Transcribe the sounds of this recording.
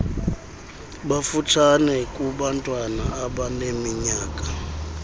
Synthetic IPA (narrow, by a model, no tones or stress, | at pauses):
ɓafutʰanɛkʼuɓantʼwanaːɓanemiɲaːkʼḁ